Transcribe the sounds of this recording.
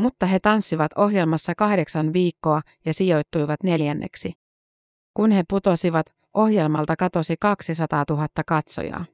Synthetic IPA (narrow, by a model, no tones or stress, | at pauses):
mut̪ːɑɦe̞t̪ɑnsːiʋɑt̪o̞ɦje̞lmɑsːɑkɑhde̞ksɑnʋiːkːo̞ɑ | jɑsijo̞jt̪ːujʋɑt̪ne̞ljænːḛksi | kunhe̞put̪o̞siʋɑt̪ | ʔo̞hje̞lmɑlt̪ɑkɑt̪o̞sikɑksisɑt̪ɑːt̪uɦɑt̪ːɑkɑt̪so̰jɑ̰ː